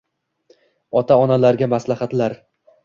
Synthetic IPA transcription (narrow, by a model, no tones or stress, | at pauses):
ɒt̪ʰaɒnalaɾɡʲamaslahat̪laɾ